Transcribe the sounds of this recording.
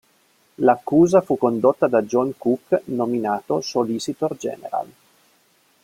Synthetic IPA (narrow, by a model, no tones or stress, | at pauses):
lakːuːzafukːond̪ot̪ːad̪ad͡ʒɔŋkukːnominaːt̪osolisit̪ord͡ʒɛ̰ːnḛɾa̰l